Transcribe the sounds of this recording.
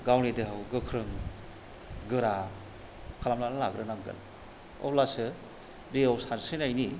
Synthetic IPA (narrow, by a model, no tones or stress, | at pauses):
ɡawnidɯɦɯwɡɯkʰɾɯŋ | ɡɯɾa | kʰalamlanalaɡɾɯnaŋɡɯ̰n | ɔ̰plasɯ | ɾiawsansinajni